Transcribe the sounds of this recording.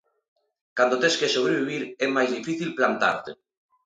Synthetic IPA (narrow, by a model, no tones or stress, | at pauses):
kand̪ot̪eskesoβ̞ɾeβ̞iβ̞iɾemajzðifiθilplant̪a̰ɾt̪ḛ